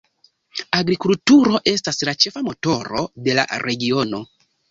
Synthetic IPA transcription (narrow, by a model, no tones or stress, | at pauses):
aɡɾikultuɾo̞ʔe̞staslat͡ʃe̞famo̞to̞ɾode̞la̰ɾe̞ɡio̞no̞